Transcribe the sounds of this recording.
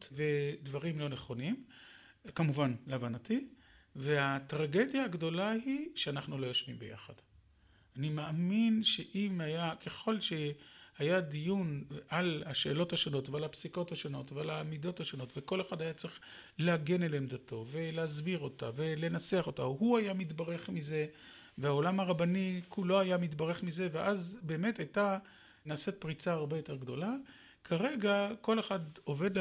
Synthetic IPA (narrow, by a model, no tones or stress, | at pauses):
tve̞dvaʁimlo̞neχo̞nim | kamuvanlavanative̞hatʁaɡe̞djaːɡdo̞laɦiʃeanaχnulo̞joʃvimbḛja̰χad̥ | animeaminʃeʔimhajakʰe̞χo̞lʃehajadijunalaʃe̞ːlo̞thaʃo̞no̞tvealapsiko̞thaʃo̞no̞tvealamido̞thaʃo̞no̞tve̞ko̞le̞χadhajat͡sʁiχ | leaɡe̞nelemd̪ato̞ve̞leazbiʁo̞ta̰ve̞lenat͡seaχo̞tahuajamitbaʁe̞χmize̞ | veao̞lamaʁabanikʰulo̞ajamitbaʁe̞χmize̞veʔazbe̞ːme̞tajta | naset̚pʁit͡saːʁbejo̞te̞ʁɡdo̞la | kʰaʁe̞ɡako̞le̞χado̞ve̞d̪l